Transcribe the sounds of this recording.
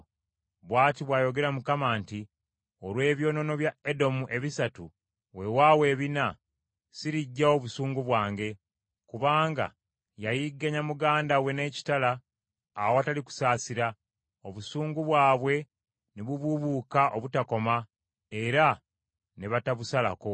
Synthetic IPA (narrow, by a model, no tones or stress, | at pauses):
βwaːtiβwaːjo̞ɡe̞ɾamukamaːnti | o̞ɾwe̞ːβjo̞ːno̞no̞βjaedo̞muʔe̞βisatu | we̞waːwe̞ːβina | siɾiɟːao̞βusuːŋɡuβwaːŋɡe̞ | kuβaːŋɡa̰ | jajiɡːaɲamuɡaːndawe̞ne̞ːci̥talaː | woataliku̥saːsiɾa | o̞βusuːŋɡuβwaːβwe̞ | niβuβuβukaʔo̞βutako̞ma | e̞ɾa | neβataβusala̰ko̞